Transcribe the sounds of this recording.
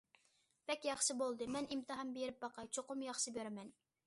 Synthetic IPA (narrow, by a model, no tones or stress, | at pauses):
b̥ɛkʲjɑχʃɨbolˠd̪ɨmɛnimt̪ɨɦɑmbejɾɪp̚bɑqɑt͡ʃʰoqʊmjɑχʃɨbøɾɛmɛn